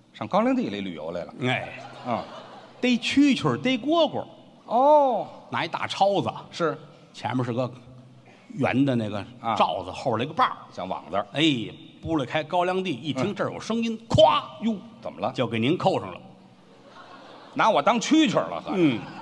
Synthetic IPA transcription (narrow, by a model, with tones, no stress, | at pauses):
ʂɑ˥˩ŋkɑ˥ljɑ˥ŋt̪̬i˥˧˩le˧˥˩ly̰˨˩jo̰˧˥ʊle˧˩lə̰˩e˥˩ɪ˥˧˩ | t̪e˥ɪt͡ɕʰy˥t͡ɕʰə˨˩t̪e˥ɪkwɔ˥kwɔ̰˨˩˦ | ɔ˥˩na˧˥i˧˥t̪a̰˥˩ʈ͡ʂʰɑ˥ʊd͡zə˨ʂɻ̩˥˩ | t͡ɕʰjɛ̰˧˥nbʂɻ̩˥˩ɡə˧ | jɥɛ̰˧˥nd̪ə˧na˥˩ɡə˩˧ʈ͡ʂɑ˥˩ʊd͡zə˨˧xlə˩i˧˥ɡə˧pa˥˩ɕjɑ˧˥ŋwɑ̰˨˩ŋt͡sə˧e˥˩ɪpu˥˧le˥˩ɪkʰa˥ɪkɑ˥ʊljɑ˥ŋt̪i˥˧i˥˩t̪ʰi˥ŋʈ͡ʂə˞˥˩˨jo̰˨˩ʊʂɤ˥ŋi˥nkʰwa˥ju˥˩t͡sə̰˨˩mə˦lə˧t͡ɕjo˥˩ke˨˩ɪni˧˥nkʰo˥˩ʊʈ͡ʂʰə̰˨˩ŋlə̰˦ | na˧˥wɔ˨˩t̪ɑ˥ŋt͡ɕʰy˥t͡ɕʰwə̰˞˨˩lə̰˧n̩˥˩